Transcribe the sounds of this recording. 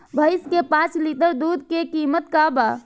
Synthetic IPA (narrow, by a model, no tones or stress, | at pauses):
bʱəɪskepãt͡ʃlit̪əɾd̪ud̪ʱkekimət̪kaba